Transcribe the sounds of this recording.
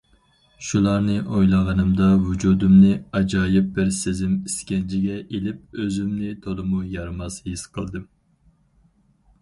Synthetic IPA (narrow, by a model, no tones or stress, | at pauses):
ʃulˠɑɾnɨʔojlˠɑʁɑnɨmd̪ɑvud͡ʒud̪umnɨɑd͡ʒɑːjɪp̚bɪɾsezɪmiskʲɛnt͡ʃʰɪɡʲɛʔelɪp̚øzymnɪt̪ʰolˠɨmujɑɾmɑshisqʰəlˠd̪ɨm